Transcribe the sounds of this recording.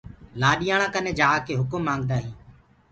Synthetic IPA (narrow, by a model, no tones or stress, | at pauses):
laːɗɪjãːɳãːkəneːd͡ʒaːkeːɦʊkʊmːãːŋɡd̪aːɦiː